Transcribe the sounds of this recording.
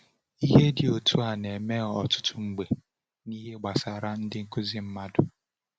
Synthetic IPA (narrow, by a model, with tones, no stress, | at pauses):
i˦ɦe˦dɪ˨o˨tu˦a˨ne˨me˦ɔ˨tʊ̥˦tʰʊ˦ŋ͡m̩˨ɡ͡be˨ | ni˦ɦe˦ɡ͡ba˨sa˨ɾa˦n̩˦dɪ˦ŋ̩˦kʊ˦zi˦m̩˦ma˦dʊ˨